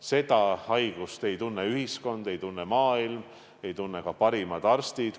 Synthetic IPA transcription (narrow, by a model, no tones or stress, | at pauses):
se̞d̪̥ɑhɑjɡ̥ust̪e̞jt̪unːeyhisko̞nd̪e̞jt̪unːemɑːilm | e̞jt̪unːekɑpɑɾimɑd̪̥ɑrst̪id̪̥